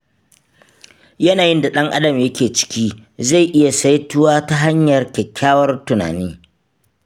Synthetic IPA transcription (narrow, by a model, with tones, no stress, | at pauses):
jɐ˦naː˨jɪ˦nda˨ɗɐ˦ŋʔa̰˦dɐ˨mjɐ˦kʲeː˨t͡ʃɪ̥˦kʲiː˦za˦˨jʔɪ˦ja˨sa˦jtʊ˦waː˦ta˦ɦa˦ɲjɐ˨rkʲɛ˨kʲʰːaː˦wɐ˦rtʊ˨na̰ː˨niː˦